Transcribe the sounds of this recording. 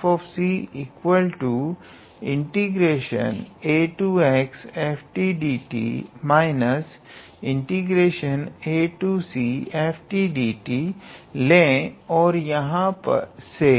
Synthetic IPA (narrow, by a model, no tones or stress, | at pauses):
fɔːfsiiːkwəlʈu | ɪ̃ɳʈiɡɾeːʃə̰neːʈuːekseːpʰʈiːɖiːʈḭːmaːɪnəs | ɪ̃ɳʈiɡɾeːʃəneːʈuːsieːpʰʈiɖiːʈilẽɔːɾjɐɦãpɐ̰ɾse